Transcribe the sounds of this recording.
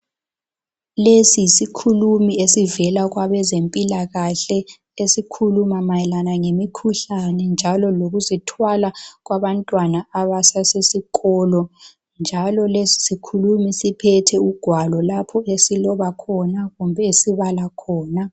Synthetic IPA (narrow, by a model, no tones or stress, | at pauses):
lesiisikʰulumiesivɛlaɣwaβɛzempʼilaɣaɬɛ | esikʰulumamajɛlanaŋemikʰuɬanɛnd͡ʒʱalɔloɣuzitʰwalaɣwaβantʼwanaaβasasesikɔlɔ | nd͡ʒʱalɔlesi̥sikʰulumisipʰɛtʰɛuɡ̥ʱwalɔlapʰɔesilɔβakʰɔnaɣumbʱɛesiβalakʰɔːna